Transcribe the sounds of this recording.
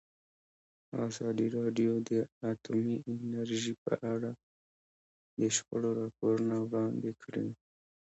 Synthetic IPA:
ɑ̰zɑd̪iɾɑɖjod̪əat̪umiɪnaɾʒipə̰ʔaɽa | d̪əʃpə̰ɽoɾɑpoɾunawɽɑnd̪ekɽḭ

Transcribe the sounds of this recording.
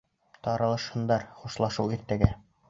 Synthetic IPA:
t̪ɑɾɑlˠɤ̆ʃhɤ̆nd̪ɑɾχuʃlˠɑʃɤwiɾt̪æɡæ

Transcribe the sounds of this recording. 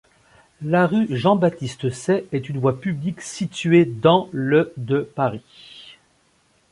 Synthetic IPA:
laʁyʒɑ̃bat̪ist̪əsɛɛt̪ynvwapybliksit̪ɥed̪ɑ̃ləd̪əpaʁi

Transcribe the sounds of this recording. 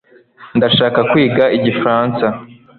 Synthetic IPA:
ndaʃaːkakwiːɡaʔiɟifɾaːnsa

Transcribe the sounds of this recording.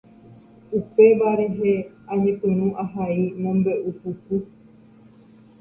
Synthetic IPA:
upe̞ʋaɾe̞ɦe | aɲẽpɨ̃ɾ̃ũʔaɦaimõmbe̞ʔupupɨ

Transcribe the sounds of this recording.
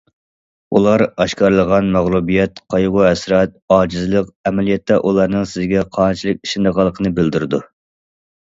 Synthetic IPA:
ulˠɑɾɑʃkʰɑɾlˠəʁɑnmæʁlˠubijɛt̪qʰɑjʁʊɦɛsɾɑt̪̚ɑːd͡ʒizɨlˠəqɛmɛlijɛt̪ːɛʔulˠɑɾnɨŋsɪzɡʲɛqʰɑːnt͡ʃʰilˠɨk̚ʲi̥ʃind̪əʁɑlˠːəqʰənɨbɪld̪yɾɪd̪u

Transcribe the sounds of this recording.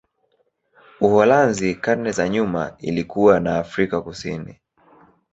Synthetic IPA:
uhɔlanzikanɛzaɲuma̰ḭlikuwanaːfɾikakusinḭ

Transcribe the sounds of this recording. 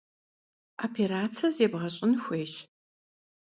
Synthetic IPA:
apʰeɾaːt͡sʰɐzeːbʁɐɕʼɪnxʷeːɕ

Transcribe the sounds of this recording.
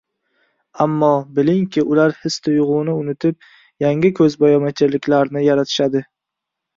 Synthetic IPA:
amːɒbɪlɪŋkʲʰɪʔʊlaɾhɪst̪ʰʊjʁʊnɪʊnɪt̪ʰɪp̚ | jaŋɪkʰɵzbajɒmat͡ʃʰɪlɪkʲʰlaɾnɪjaɾat̪ʰɪ̥ʃad̪ɪ

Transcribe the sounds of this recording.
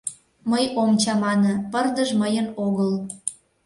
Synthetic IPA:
məjomt͡ɕɑmɑnə̆pərd̪əʒməjənoɣəl

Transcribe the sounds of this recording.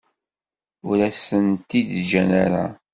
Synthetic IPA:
ʊɾæsənt̪id̪d͡ʒænaɾa̰

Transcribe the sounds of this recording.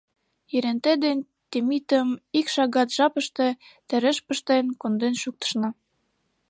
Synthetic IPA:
jeɾent̪ed̪en | t̪emit̪ə̆mikʃɑɣɑt̪ʒɑpə̆ʃt̪et̪ə̆ɾə̆ʃpə̆ʃt̪enkond̪enʃuk̚t̪ə̥̆ʃnɑ

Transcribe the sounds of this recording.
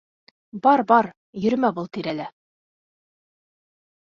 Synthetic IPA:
bɒɾbɒɾ | jɵ̆ɾmæbulˠt̪iɾælɘ

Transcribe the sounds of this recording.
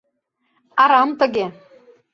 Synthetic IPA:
ɑɾɑmt̪ə̆ɣe

